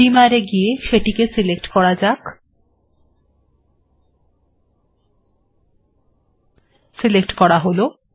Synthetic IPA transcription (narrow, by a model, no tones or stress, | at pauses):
imaɾeɡijeʃeʈikesilekʈkɔɾad͡ʑak | silek̚ʈkɔɽaɦolo